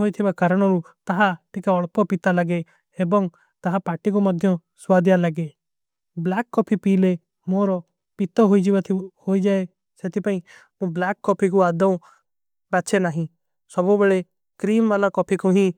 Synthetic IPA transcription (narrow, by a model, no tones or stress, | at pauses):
ɦoit̪ʰɪbakaːɾəɽ̃ɔɾu | t̪ɐɦaʈɪkaɔɭpɔpit̪aləɡe | ebɔŋɡ | t̪ɐɦapaːʈikoməd̪ʱjɔ̃ | swaːd̪jaləɡe | blaːkːɔpʰipiːle | moːɾɔ | pit̪ɔɦoːid͡ʒibat̪ʰhoːid͡ʒaːe | set̪ipaːĩ | mũblaːkːɔːpʰikuaːd̪aũ | bat͡ʃʰenaːɦĩ | sɔbõbəɽe | kɾiːmʋaːlakɔːpʰikoɦĩ